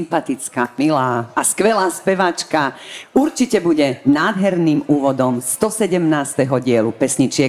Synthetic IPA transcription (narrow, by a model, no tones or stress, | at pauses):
mpat̪it͡skamilaːskʋɛlaːspɛʋat͡ʃkauɾt͡ʃicɛbuɟɛnaːd̪ɦɛɾniːmuːʋɔd̪ɔmst̪ɔsɛɟɛmnaːst̪ɛɦɔɟɪɛlupɛsɲit͡ʃɪɛ